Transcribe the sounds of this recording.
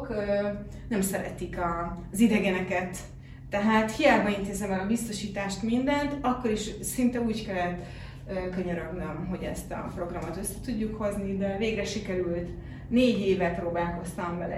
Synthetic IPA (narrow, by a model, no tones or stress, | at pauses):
kː | nɛmsɛɾɛ̰t̪ikɒzid̪ɛɡɛnɛkɛt̪ː | ɛɦaːt̪hijaːɡbɒint̪eːzɛmɛlɒbist̪o̞ʃiːt̪aːʃt̪mind̪ɛnt̪ɒkːo̞ɾiʃsint̪ɛuːckɛlːɛt̪ | økø̞ɲøɾøɡnømɦo̞ɟɛ̰st̪ɒ̰pro̞ɡrɒmot̪ø̞sːɛt̪uɟːukho̞znid̪ɛveːɡrɛʃikɛɾylt̪ | neːɟeːvɛproːbaːlko̞st̪ɒɱvɛlɛ̰